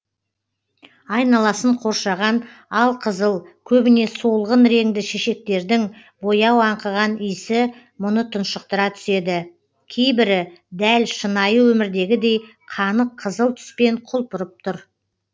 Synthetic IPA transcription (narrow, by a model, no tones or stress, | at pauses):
ɑjnɑlˠɑsəɴqʰo̞ɾʃɑʁɑnɑlˠqʰəzəlˠkʲʰɵbɪne̞solˠʁənɾe̞ŋd̪ɪʃe̞ʃe̞k̚t̪e̞ɾd̪ɪŋ | bo̞jɑwɑɴqəʁɑnijsɪ | mʊnət̪ʰʊnʃəq̚t̪əɾɑt̪ʰʏ̥se̞d̪ɪ | kʲʰe̞jbɪɾɪd̪ælʃənɑjəwɵmɪɾd̪e̞ɡʲɪd̪e̞jqʰɑnəqʰːəzəlˠt̪ʰʏ̥spe̞ɴqʰʊlˠpəɾəp̚t̪ʰʊɾ